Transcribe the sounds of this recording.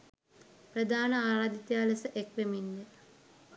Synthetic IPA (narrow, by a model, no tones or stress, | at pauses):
prəd̪aːnəaːɾaːd̪it̪jaːləsəʔekʋeminːe